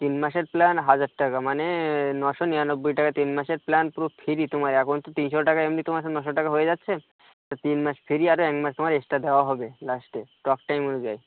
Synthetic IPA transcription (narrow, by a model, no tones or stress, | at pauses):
t̪inmaʃeɾplanɦad͡ʑaɖʈakamanenɔʃɔnijanobːojʈakat̪inmaʃeɾplanpuɾopʰeɾit̪omaɾakʰont̪ot̪inʃɔʈakaemnit̪omaɾnɔʃɔʈakaɦoed͡ʑatːɕʰe | t̪ɔt̪inmaʃpʰeɾiaɾoɛkmaʃt̪omaɾesʈad̪eoaɦɔbelasʈeʈɔkʈajmonud͡ʒaj